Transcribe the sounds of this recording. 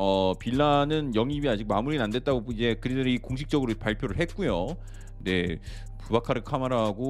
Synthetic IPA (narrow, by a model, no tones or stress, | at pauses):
ʌpiɭːanɯnjʌŋibiad͡ʑik̚mamuɾinandwe̞t̚t͈aɡoid͡ʑe̞kɯɾideɾeikoŋɕʰik̚t͡ɕ͈ʌɡɯɾopaɭpʰjoɾɯɭɦet̚k͈ujo | ne̞ | pubakʰaɾɯɭkʰamaɾaɦaɡo